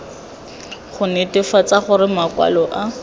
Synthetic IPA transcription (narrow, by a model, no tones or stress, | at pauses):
χʊnetɪfat͡saχʊɾɪmakwa̰lɔʔa